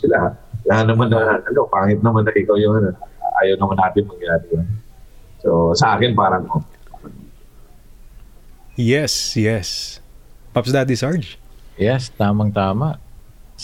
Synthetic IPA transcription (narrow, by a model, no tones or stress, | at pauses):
ɪlaalahanɐmanɐaɐlopaːŋɪt̪̚nɐmanɐʔɪkawjʊŋɐnʔa̰ːjɐwnɐmanːaːt̪ɪnmɐɡjaːdɪjan | sosɐʔaːkɪnpaːɾɐŋmoaɾaŋ | jɛsjɛs | pɐpsd̪at̪̚d̪ɪsaɹd͡ʒjɛst̪aːmaŋt̪aːmaʔ